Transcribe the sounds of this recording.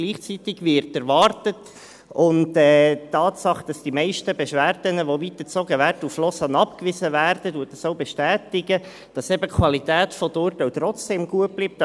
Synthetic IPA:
ɡ̥liːχt͡sitɪɡʋɪɾtæɾvɑrtət | ʊntɛːtːɑːtsɑχd̥ɑsd̥imɛɪʃtəbɛʃʋæːɾdənəʋovitət͡soɡəʋæːɾtuflɔsɑnɑpkvɪzəvæːrd̥əduət̚d̥ɑsoʊbɛʃtæːtɪɡə | d̥ɑsɛbəkʰʋɑlitæːtfɔdoːɾtoʊt̪ɾɔt͡sd̥eːmɡuət̚b̥lip̚t

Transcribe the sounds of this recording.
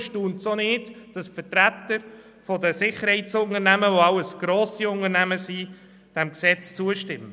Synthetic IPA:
ʃtuːntsonɪːdd̥ɑsfəɾtɾæt̪əɾ | fɔdəsɪχəɾhɛɪtsʊnənæməʋoɑwəsɡ̥ɾoːsiʊnəɾnæməsi | d̥ɛmksɛt͡st͡suəʃtɪmːə

